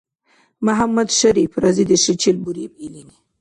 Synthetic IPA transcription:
maɦamːad̪ʃaɾifɾɑzid̪əʃit͡ʃilbuɾibilini

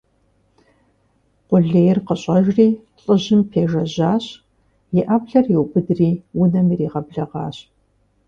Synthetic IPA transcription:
qʷʊɮeːjɪrqəɕʼɐʒriː | ɬʼɨʑɪmpʰeːʒɐʑaːɕ | jɪʔabɮɐrjiwbɨdriːwʊnɐmiriːʁɐbɮɐʁɑ̰ːɕʼ

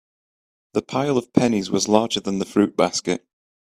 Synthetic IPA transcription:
ðəpʰaɪlˠəv̥pʰɛnɪzwɒzlˠɑːd͡ʒəðə̃nðəfɹʉʔb̥askɪ̰ʔ

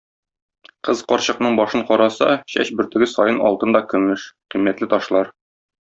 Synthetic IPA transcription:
qɤzqɒɾɕɤ̆qnɤɴbɒʃɤɴqɒɾɑsɑ̰ɕæ̰ɕbɵ̆ɾt̪ɘ̆ɡɘsɒjɤnɒ̰lˠt̪ɤnd̪ɒkɵ̆mɘʃqimːæt̪lɘt̪ɒʃlˠɑɾ

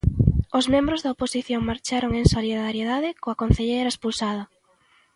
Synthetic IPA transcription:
ʊzmẽmbɾʊzðɐoposiθjoŋmaɾt͡ʃaɾoŋeŋsoliðaɾjeðaðɪkoɐkon̟θeʎejɾɐespulsað̞ɐ

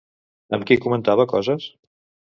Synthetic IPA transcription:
əmkikumənt̪aβəkɔzəs

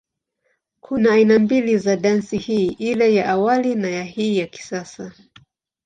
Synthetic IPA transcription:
kʰunaːinambilizaɗansihiːʔilɛjaʔawalinajahiːjaki̥sasa

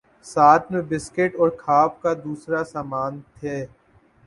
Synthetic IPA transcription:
saːt̪ʰmẽbɪskɪʈɔːɾkʰaːp̚kad̪uːsɾasaːmaːnt̪ʰeː

